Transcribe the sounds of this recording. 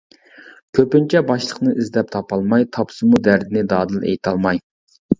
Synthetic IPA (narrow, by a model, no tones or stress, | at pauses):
kʲʰøpynt͡ʃʰɛbɑʃlˠəqnɨʔizd̪ɛp̚t̪ʰɑpʰɑlˠmɑjt̪ʰɑpʰsɨmud̪æɾd̪ɪnɪd̪ɑːd̪ɨlˠḛjt̪ʰɑlˠmɑj